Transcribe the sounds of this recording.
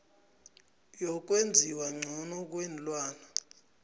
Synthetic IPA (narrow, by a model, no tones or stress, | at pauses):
jɔk̬wend͡zʱiwaŋ͡ǀʱɔnɔk̬ʼwenlwaːna